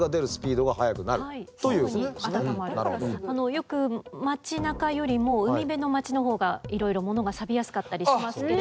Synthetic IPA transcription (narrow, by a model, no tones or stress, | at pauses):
ɡad̪e̞ɾɯ̟sɨ̥pʲiːd̪o̞ɡaɦajakɯ̟naɾɯait̪ojɯːaamoaɾnaɾano̞jo̞kɯ̟mat͡ɕinakajo̞ɾʲimo̞ːɯ̟mʲibe̞no̞mat͡ɕino̞ɦo̞ːɡaiɾo̞iɾo̞mo̞no̞ɡasabʲijasɨ̥kat̪ːaɾʲiimasɨ